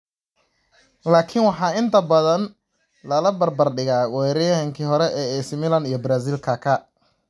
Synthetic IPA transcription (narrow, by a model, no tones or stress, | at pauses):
laːkʰɪnwɑħɑːɪnt̪ʰɐbɐðɐn | lɐlɐbɐrbɐrɖɪɣaːwɛɾɪjhɐŋkʰiɦɔɾɛʔɛːɛsmɪlɐnijɔbɾaːs̬iːlkʰakʰɐ